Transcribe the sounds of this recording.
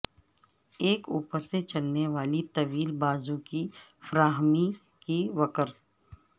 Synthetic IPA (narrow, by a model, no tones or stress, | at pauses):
eːkuːpəɾset͡ʃɐlneʋaːlit̪ɐʋiːlbaːzũkifɐɾaːɦmi | kiʋɐkəɾt̪